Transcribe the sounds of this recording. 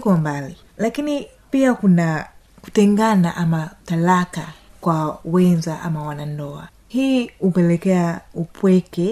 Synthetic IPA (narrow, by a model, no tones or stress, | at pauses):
kɔmbali | lakini | piakuna | ku̥tɛŋɡanaʔamatalakakwawɛnzaʔamawanandɔa̰ | hiːupɛlɛkɛaupwɛkɛ